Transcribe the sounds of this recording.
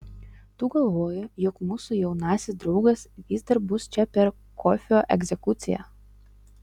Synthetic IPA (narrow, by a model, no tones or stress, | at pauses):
t̪uːɡɐlˠʋoːjʊjɔkmuːsʊjɛʊnɑːsʲɪsd̪ɾɒʊɡɐsʋʲiːzd̪ɐɾbʊst͡ʃʲɛpʲɛɾ | kʰɔfʲoːʔɛɡʲzʲɛkʊt̪sʲɪjɛ̰ː